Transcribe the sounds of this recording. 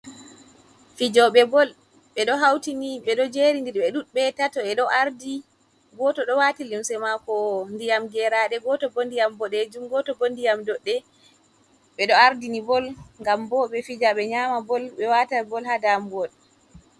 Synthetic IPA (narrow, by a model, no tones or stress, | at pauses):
fid͡ʒɔɓɛbɔl | ɓɛɗɔɦawtiniɓɛɗɔd͡ʒeɾindiɾɓɛɗuɓɛtatɔɛɗɔʔaɾdi | ɡɔtɔɗɔwatilimsɛmakɔndijamɡɛɾaɗɛɡɔtɔbondijambɔɗed͡ʒumɡɔtɔbondijamdɔɗːɛ | ɓɛɗɔaɾdinibɔlŋɡambɔɓɛfid͡ʒaɓɛɲamabɔlɓɛwatabɔlhadamɡɔl